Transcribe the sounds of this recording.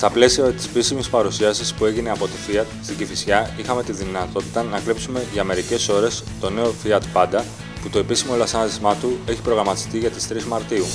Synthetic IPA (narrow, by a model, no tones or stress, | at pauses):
st̪ɐple̞siɐt̪i̥sepisimispɐɾusiɐsispue̞ʝine̞ɐpo̞t̪ifiɐt̪st̪iɟifisçɐixɐme̞t̪iðinɐt̪o̞t̪i̥t̪ɐnɐkɾipsume̞ʝɐme̞ɾice̞so̞ɾe̞s | t̪o̞ne̞o̞fiɐt̪pɐd̪ɐ | put̪o̞e̞pisimo̞lɐsɐnðizmɐt̪ue̞çi̥pɾo̞ɣɾɐmɐt̪i̥st̪iʝɐt̪i̥st̪ɾizmɐɾt̪iu